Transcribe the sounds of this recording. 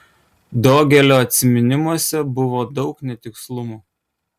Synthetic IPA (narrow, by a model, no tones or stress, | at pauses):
d̪oːɡʲɛlʲoːɐt̪ʲsʲɪmʲɪnʲɪmoɔsʲɛbʊʋoːd̪ɒʊknʲɛt̪ʲɪkslˠʊmuː